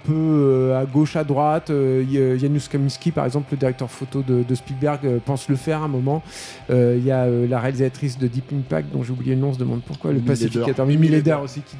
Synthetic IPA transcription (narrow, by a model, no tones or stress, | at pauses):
pøøaɡoʃad̪ʁwat̪øjanuskɔminskʲipaʁɛ̰ɡzɑ̃pləd̪iʁɛk̚t̪œʁfot̪od̪əd̪əspilbɛʁɡøpɑ̃sləfɛʁɛ̃mɔmɑ̃ | øijaølaʁealizat̪χis̬d̪əd̪ipiŋpa̰k̚d̪ɔ̃ʒeublijeənɔ̃s̬əd̪əmɑ̃d̪̚puʁkwa̰ləpasifikat̪œʁimiled̪ɛʁosikʲi